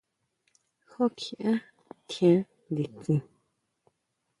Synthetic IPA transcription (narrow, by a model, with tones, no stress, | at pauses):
xo˦kʰi˨ʔã˦ | t̪ʰjã˧˦ | nd̪i˨t͡sĩ˧